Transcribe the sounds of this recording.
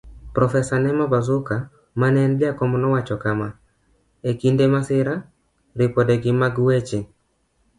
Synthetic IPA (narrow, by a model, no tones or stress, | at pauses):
pɾɔfɛsanɛmabazʊka | manɛnɡɪakɔmɔnɔwat͡ʃɔkama | ekindɛmasɪɾa | ɾipɔdɛɡɪmaɡuwet͡ʃe